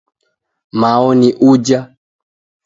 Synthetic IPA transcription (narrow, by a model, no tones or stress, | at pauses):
maɔniʔud͡ʒa